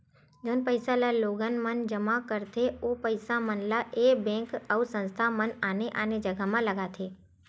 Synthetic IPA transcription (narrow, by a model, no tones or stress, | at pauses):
d͡ʒoːnpəɪsalaloːɡənmənd͡ʒəmakəɾt̪ʰeopəɪsamənlaʔebɛ̃kəusə̃nst̪ʰamənaneʔaned͡ʒəɡamãləɡat̪ʰeː